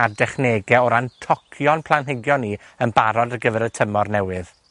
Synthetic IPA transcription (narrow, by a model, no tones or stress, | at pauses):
ardɛχneːɡɛɔɾantʰɔkʰjɔnpʰlˠanɦɪɡjɔnːiənbaɾɔdəɡəvɛɾətʰəmɔrnɛwɨð